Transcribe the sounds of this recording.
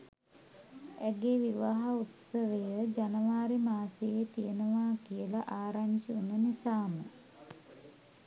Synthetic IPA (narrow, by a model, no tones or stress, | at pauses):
æɡeʋiʋaɦaut̪səʋejəd͡ʒanəʋaːɾimaːsejet̪ijənəʋaːkijəlaʔaːɾaɲt͡ʃəunənisaːmə